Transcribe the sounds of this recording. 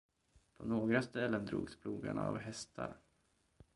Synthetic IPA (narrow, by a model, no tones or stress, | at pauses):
pʰɔnoːɡɾast̪ɛlːənd̪ɾṵːɡspʰluːɡaɳavɦɛst̪ʰaɾ